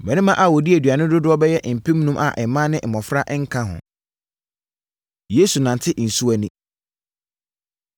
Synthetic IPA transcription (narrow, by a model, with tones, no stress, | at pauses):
mɛ̃˨nɪ̃˦mã˦ʔa˨wɔ˨di˦æ˨dɥa˨nʊ̃˦dʊ˦dʊ˦ɔ˦bɛ˦jɛ˦ʔm̩˨pʰĩ˦mnũ˦mʔa˨ʔɛ˨˦mã˦nɪ̃˦m̩˨mɔ̃˨fɾa˦ʔŋ̩˦kʰã˦ɦʊ̰̃˨ | je˦su˨nã˨n˨tʰɪ˦ʔn̩˨su˦æ˦nĩ˦